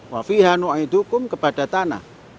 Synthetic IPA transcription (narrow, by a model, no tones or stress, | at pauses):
wafiɦanuaid̪ukʊmkəpad̥at̪ana̰h